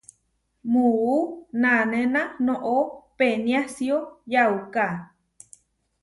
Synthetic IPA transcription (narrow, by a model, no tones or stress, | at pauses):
muunanenanõʔopenjasiojawka